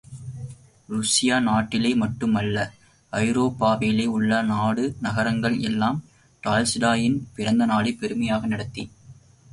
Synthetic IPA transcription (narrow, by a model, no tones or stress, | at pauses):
ɾʊsɪjaːnaːʈːɪleːmɐʈːɯmɐlːɐ | ɐɪɾoːpːaːʋeːleːʊɭːɐnaːɽɯnɐɣɐɾɐŋɡɐɭɛlːaːm | ʈaːlsɪɽaːjɪnpɪɾɐnd̪ɐnaːɽɪpːɛɾɯmɐjaːɣɐnɪɽɐt̪ːi